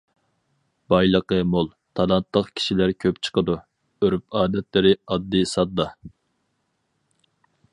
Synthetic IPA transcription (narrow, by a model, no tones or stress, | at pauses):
bɑjlˠəqəmolˠ | t̪ʰɑlˠɑnt̪lˠəqkʲʰi̥ʃilæɾkʲʰøpt͡ʃʰə̥qəd̪u | øɾyp̚ɑːd̪ɛt̪lɪɾɪɑd̪ːisɑd̪ːɑ